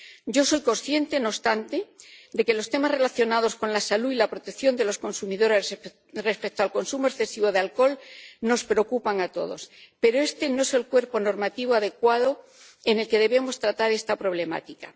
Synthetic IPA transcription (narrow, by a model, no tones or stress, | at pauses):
ɟ͡ʝo̞sojko̞nsθje̞nt̪e̞no̞st̪ant̪e̞d̪e̞ke̞lo̞st̪e̞mazre̞laθjo̞nað̞o̞sko̞nlasaluilapɾo̞t̪ekθjo̞nd̪e̞lo̞sko̞nsumiðo̞ɾe | re̞spe̞k̚t̪oalko̞nsumoesθe̞siβ̞o̞ð̞ealko̞lno̞spɾeo̞kupaŋat̪o̞̰ðospe̞ɾoest̪e̞no̞ese̞lkwe̞ɾpo̞no̞ɾmat̪iβ̞oað̞e̞kwaðo̞ | e̞ne̞lke̞ð̞e̞βe̞mo̞st̪ɾat̪aɾe̞st̪apɾo̞βle̞ma̰t̪ika